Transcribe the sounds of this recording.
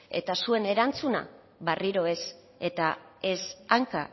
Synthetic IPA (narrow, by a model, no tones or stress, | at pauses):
e̞̰t̪asue̞ne̞ɾant͡suna̰ | βariɾo̞e̞s | e̞t̪ae̞saŋka